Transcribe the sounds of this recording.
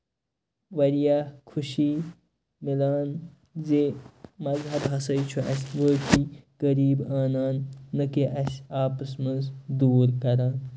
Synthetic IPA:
ʋɐɾijaːkʰuʃi | milaːn | zemɐzɦɐbɦɐsɐjt͡ʃʰuʔɐ̰sʲʋəːkʰiɡɐɾiːbaːnaːnːɐkeʔɐsʲaːpɐsmɐnzd̪uːɾkɐɾaːn

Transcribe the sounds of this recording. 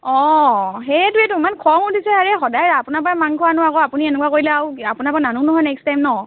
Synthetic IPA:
ɔɦɛjɛtuɛtumankʰɔŋutʰisɛaɹɛxɔdajapunap̬ɔamaŋkʰɔwanɔwakɔapuniɛnɛkuwakoɹilɛawapʊnapananunɔɦɔjnɛkstajmnɔ

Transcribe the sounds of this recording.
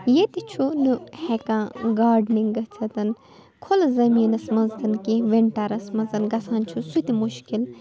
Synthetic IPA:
jet̪it͡ʃʰunɨhekãːɡaːɾɖniŋɡɐt͡sʰɐt̪ɐn | kʰolzɐmiːnɐsmɐnzt̪ɐnkiʋeɳʈɐɾɐsmɐzɐnɡɐsaːnt͡ʃʰusut̪imuʃkil

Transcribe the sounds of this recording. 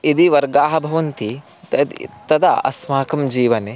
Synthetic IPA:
id̪iʋɐɾɡaːɦɐbʱɐʋɐnt̪i | t̪ɐd̪t̪ɐd̪ɐ̰ɐ̰smaːkɐmd͡ʒiːʋɐne

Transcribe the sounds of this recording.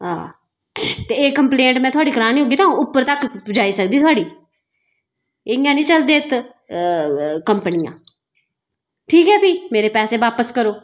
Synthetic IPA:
ɦa̰ː | t̪eːeːkəmpleːɳʈmɛ̃ːt̪ʰʊaːɖiːkəɾaːniːɦoːɡiːt̪aːũʊpːəɾt̪əkd͡ʒaːiːsək̚d̪iːt̪ʰʊaːɽiː | ɪjãːnĩːt͡ʃəld̪eːt̪ | kəmpnɪjã̰ː | ʈʰiːkɦɛːpiːmeːɾeːpɛːseːʋaːpəskəɾoː

